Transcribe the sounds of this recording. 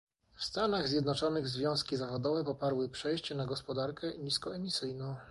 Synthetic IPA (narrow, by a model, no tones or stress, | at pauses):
fst̪anaɣzʲjɛd̪nɔt͡ʂɔnɘɣzvʲjɔ̃w̃skʲizavɔd̪ɔvɛpɔpaɾwɘpʂɛjɕt͡ɕɛnaɡɔspɔd̪aɾkʰɛɲiskɔɛmʲisɘjnɔ̃w̃